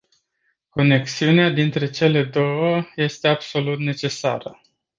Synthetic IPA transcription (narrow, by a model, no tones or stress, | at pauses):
ko̞ne̞ksiunead̪int̪ɾe̞t͡ʃe̞le̞d̪o̞wəje̞st̪e̞abso̞lut̪ne̞t͡ʃe̞sa̰ɾə